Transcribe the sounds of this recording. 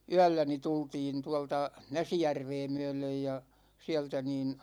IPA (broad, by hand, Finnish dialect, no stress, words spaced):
yælːæ ni tultiːn tuɑltɑ næsijærʋeː myø̞løj jɑ siɛltæ niːn